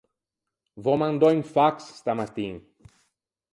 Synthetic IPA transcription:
vomãnd̪oeŋfaksst̪amat̪iŋ

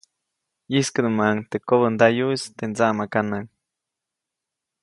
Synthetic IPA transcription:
jiskənumaŋt̪ekoβənd̪ajuist̪end͡zaʔmakanaŋ

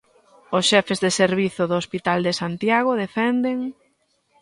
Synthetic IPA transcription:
ʊsʃɛfezðeseɾβiθʊðoːspit̪ald̪esant̪jaɣoðefɛnd̪eŋ

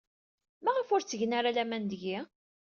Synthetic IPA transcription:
mæʁəfʊɾt͡sːəʝnaɾalæmænd̪əʝi

